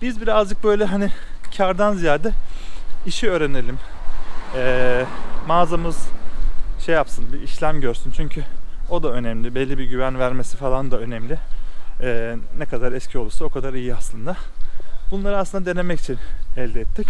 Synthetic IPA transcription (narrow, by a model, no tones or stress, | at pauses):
b̥izbiɾazd͡ʒɯk̚bø̞jlʲɛɦanɪcʰaɾd̪anzijaːd̪ɛ | iʃiø̞ːɾenelʲim | ɛː | aːzamɯz̥ | ʃe̞japsɯnbiːʃlʲæmɟøɾsynt͡ʃʰyɲcʰyo̞d̪aø̞nɛmlʲibɛlʲːibiɟyvænvæɾmesi̥falˠand̪aø̞nɛmlʲɪɛːnɛkʰad̪aɾɛscʰio̞lˠusao̞kʰad̪aɾijiaslˠɯnd̪abunlˠaɾɯasˠɯnd̪ad̪e̞ne̞mɛci̥t͡ʃʰinɛlʲd̪ɛɛt̪ʰːic